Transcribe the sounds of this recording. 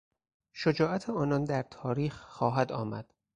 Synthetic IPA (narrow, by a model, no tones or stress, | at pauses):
ʃod͡ʒɒːʔæt̪ʰeɒːnɒnd̪æɾt̪ʰɒːɾiːxːɒːɦæd̪ɒːmæ̰d̪̥